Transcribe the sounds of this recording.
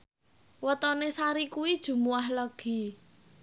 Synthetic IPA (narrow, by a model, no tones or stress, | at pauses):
wət̪ɔnesaɾikuwid̥ʒ̥ṳmuahləɡ̥i̤